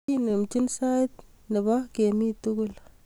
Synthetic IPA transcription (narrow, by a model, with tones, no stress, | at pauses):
i˦ne˨mt͡ʃi˦nsa˦t̪̚ | nə˨ba˦ke˨mi˦tu˦ɡʊ˦l